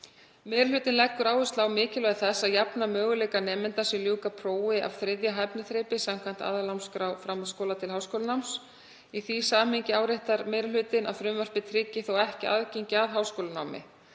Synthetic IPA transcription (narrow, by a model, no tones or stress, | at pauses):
mɛːɾlʏːt̪ɪnlɛkːʏɾaːwʏst̪laːwmɪːcɪlœðɪθɛsːaðjapnamœːɣʏleːjkanɛːmɪnt̪asɪljuːkapʰɾoːwɪʔa̰vθɾɪðjaɦajpnɪθɾeːjpɪsamkʰvant̪a̰ðalawnskɾawfɾamaskoːwlat̪ʰɪlɦawskowlnawms | iθisaːmɪɲcɪaːwɾɪht̪aɾmɛɾlʏːt̪ɪna̰ðθɾʏmvœr̥pɪt̪ʰɾɪcːɪθowɛhcɪa̰ðceɲcɪaðɦaːwskowlʏnawmɪ̰